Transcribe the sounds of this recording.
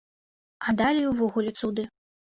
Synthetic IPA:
ad̪alʲiuvɔɣulʲɛt̪sud̪ɨ

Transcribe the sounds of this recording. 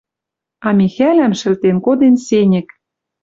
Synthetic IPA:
ɑmʲixælæmʃɘ̆lt̪enkod̪ensenʲɘ̆k

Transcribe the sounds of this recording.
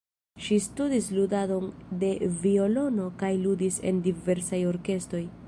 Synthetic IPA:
ʃistudisludado̞nde̞vio̞lo̞no̞kajludise̞̰ndive̞ɾsajo̞ɾke̞sto̞j

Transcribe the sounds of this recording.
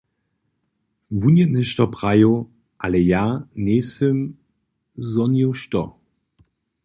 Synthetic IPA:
vunjətnəʃtɔpʁajo | ʔalejaneːsəm | zɔnjoʃtɔ̰

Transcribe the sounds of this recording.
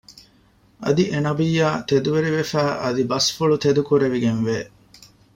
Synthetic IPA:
ʔɐ̰d̪iʔenɐbijːaːt̪ed̪uʋeɾiʋefæːʔɐd̪ibɐsfuɭut̪ed̪ukuɾeʋiɡenʋeː

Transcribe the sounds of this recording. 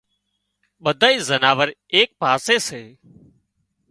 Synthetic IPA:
ɓəd̪ʱaːiːzənaːʋəɾeːk̚paːseːseː

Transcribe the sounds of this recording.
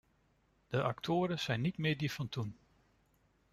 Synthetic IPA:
d̥əʔɑktʰʊːɾəz̥ɛjnːitmɪːɹdifɑntun

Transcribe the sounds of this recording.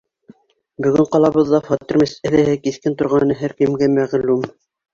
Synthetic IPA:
bɵ̆ɡɘɴqɑlˠɑβɤðːɑfɑt̪ːĭɾmæsɘ̆ðæhɘkiθkɘnt̪ŏɾʁɑnɤɦæɾkɘ̆mɡæmæʁlum

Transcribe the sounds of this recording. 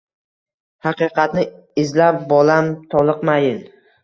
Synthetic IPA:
hɑqɨqɑt̪nɪ | ɪzlap̚bɒlamt̪ʰɒlˠɨqmajɪn

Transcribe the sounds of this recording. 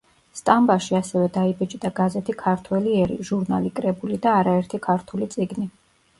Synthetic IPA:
st̪ʼambaʃiasɛvɛd̪aibɛt͡ʃʼd̪aɡazɛt̪ʰikʰaɾt̪ʰwɛliɛɾḭʒuɾnalikʼɾɛbulid̪aːɾaɛɾt̪ʰikʰaɾt̪ʰulit̪sʼiɡni

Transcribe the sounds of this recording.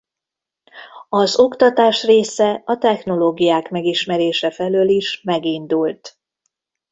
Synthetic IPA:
ɒzo̞kt̪ɒt̪aːʃreːsɛɒt̪ɛxno̞loːɡijaːkmɛɡiʃmɛɾeːʃɛfɛløːliʃmɛɡind̪ult̪

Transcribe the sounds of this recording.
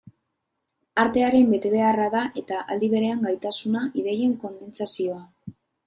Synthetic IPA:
aɾt̪e̞aɾe̞mbe̞t̪e̞β̞e̞araðaʔe̞t̪aʔald̪iβ̞e̞ɾe̞aŋɡajt̪asunaʔiðeje̞ŋko̞nd̪e̞nt͡sasio̞a

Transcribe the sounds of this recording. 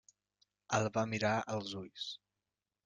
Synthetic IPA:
əlˠβamiɾaəlˠzuʎs

